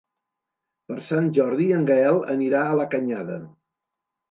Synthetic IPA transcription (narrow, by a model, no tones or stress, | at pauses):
pəɾsanʲʒɔɾðiəŋɡɛlˠə̰niɾaələkəɲaðə̰